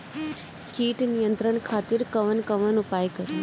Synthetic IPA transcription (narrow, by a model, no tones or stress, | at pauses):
kiːʈnijə̃nt̪ɾəɳkʰaːt̪ɪɾkɐʋənkɐʋənʊpaːjkɐɾi